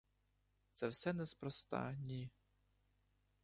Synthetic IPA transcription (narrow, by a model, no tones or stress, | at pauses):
t̪sɛwsɛnɛspɾɔst̪ɑ̰nʲi